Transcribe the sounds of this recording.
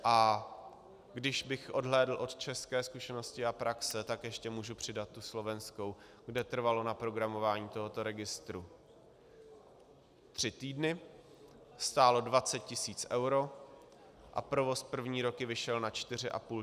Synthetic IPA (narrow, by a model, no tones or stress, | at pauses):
ʔa | ɡdɪʃbɪxʔo̞dɦlɛːdl̩ʔo̞t̪t͡ʃɛskɛːskuʃɛno̞scɪapɾaksɛt̪akjɛʃcɛmuːʒupr̝̥ɪdat̪ːuslo̞vɛnsko̞w | ɡdɛt̪r̩valo̞napɾo̞ɡɾamo̞vaːɲiːt̪o̞ɦo̞t̪o̞ɾɛɡɪst̪ɾu | t̪r̝̥ɪt̪iːdnɪ | st̪aːlo̞dvat͡sɛt̪̚cɪsiːt͡sʔɛwɾo̞ | ʔa̰pɾo̞vo̞spr̩vɲiːɾo̞kɪvɪʃɛlnat͡ʃt̪ɪr̝ɪʔa̰puː